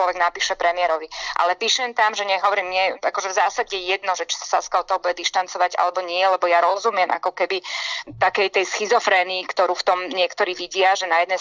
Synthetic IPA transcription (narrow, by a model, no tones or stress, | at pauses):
lɔʋɛɡnapiːʃɛpɾɛmɪɛɾɔʋiʔa̰lɛpiːʃɛnt̪amʒɛɲɛɦɔʋɔɾimɲɛa̰kɔʒɛvzaːsaɟɛjɛd̪nɔʒɛt͡ʃi̥sḁsa̰skaɔt̪ɔɦɔbuɟɛd̪iʃt̪ant͡sɔʋaɟa̰lɛbɔɲɪɛlɛbɔjaɾɔzumɪɛmʔa̰kɔkɛbit̪akɛjt̪ɛjsxizɔfɾɛːniːkt̪ɔɾuːft̪ɔmɲɪɛkt̪ɔɾiːʋiɟɪaʒɛnajɛd̪nɛ